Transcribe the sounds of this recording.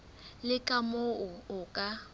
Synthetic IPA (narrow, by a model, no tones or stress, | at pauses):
lɪkʼamʊʊʊkʼa